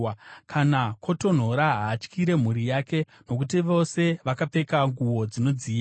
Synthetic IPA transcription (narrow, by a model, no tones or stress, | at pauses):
kʰanakʰo̞to̞n̤o̞ɾaɦaːt͡ʃkʰiɾe̞m̤uɾijake̞ | no̞kutiʋo̞se̞ʋakape̞kaŋɡuʋo̞d͡zino̞d͡ziː